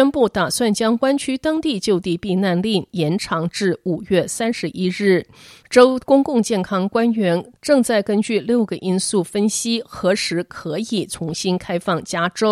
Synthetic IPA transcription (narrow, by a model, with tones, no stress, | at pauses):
ɛ˥npu˥˩t̪a˨˩swa˥˩nt͡ɕjɑ˥ŋkwa˥nt͡ɕʰy˥t̪ɑ˥ŋt̪i˥˧t͡ɕjo˥˧ʊt̪i˥˧pi˥˧na˥˧nli˥˩njɛ˧˥nʈ͡ʂʰɑ˧˥ŋʈ͡ʂɻ̩˥˩u˨˩ɥɛ˥˩sa˥nʂɻ̩˧˥ʔi˥ɻɻ̩˥˩ʈ͡ʂo˥ʊkʊ˥ŋkʊ˥˧ŋt͡ɕjɛ˥˩nkʰɑ˥ŋkwa˥nɥɛ˧˥nʈ͡ʂɤ˥˧ŋt͡sa˥˩ɪkə˥nt͡ɕy˥˩ljo˥˩ʊɡə˩ʔi˥nsu˥˩fə˥nɕi˥xɤ˧˥ʂɻ̩˧˥kʰɤ˧˥i˨˩t͡sʰʊ˧˥ŋɕi˥nkʰa˥ɪfɑ˥˩ŋt͡ɕja˥ʈ͡ʂo˥ʊ